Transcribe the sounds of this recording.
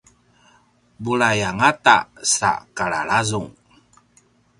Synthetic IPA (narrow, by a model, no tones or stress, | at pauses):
buɭajaŋata̰sa̰kaɭa̰ɭazuŋ